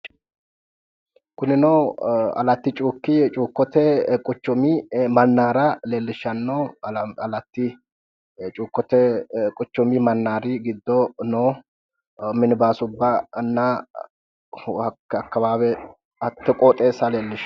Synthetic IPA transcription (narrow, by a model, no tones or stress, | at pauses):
kʊnɪnɔɐ̰lɐt̪ːɪt͡ʃʼuːkːɪt͡ʃʼuːkːɔt̪ɛkʼʊt͡ʃːʊmimɐnːaːɾɐle̞ːlːɪʃːɐnːɔɐlɐt̪ːɪ | t͡ʃʼuːkːɔt̪ɛkʼʊt͡ʃːɔmimɐnːaːɾɪɡɪd̪ːɔnoː | mɪnɪbaːsʊbːɐnːa | hɐɐkːɐbaːbɛ | ɐt̪ːɛkʼɔt̪ʼe̞ːsɐle̞ːlːɪʃ